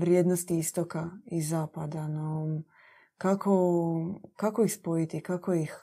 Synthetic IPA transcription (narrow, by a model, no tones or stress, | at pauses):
ʋɾjeːd̪nost̪iist̪okaizaːpad̪ano | kakʰo | kakoixspojit̪ikakoix